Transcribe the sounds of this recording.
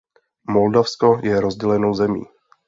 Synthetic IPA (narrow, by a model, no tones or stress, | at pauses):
mo̞ldafskojɛɾozɟɛlɛno̞wzɛmḭː